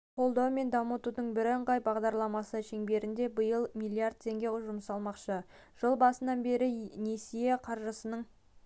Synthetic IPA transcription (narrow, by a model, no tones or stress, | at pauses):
qʰo̞lˠd̪ɑwme̞nd̪ɑmət̪ud̪əɴbɪɾəɴqɑjbɑʁd̪ɑɾlˠɑmɑsəʃe̞ŋbe̞ɾɪnd̪e̞bəjəlˠmʲilˠiaɾd̪̚t̪ʰe̞ŋɡʲe̞ʒʊmsɑlˠmɑqʃə | ʒ̥əlˠbɑsənɑnbe̞ɾɪne̞sijeqʰɑɾʒəsənəɴ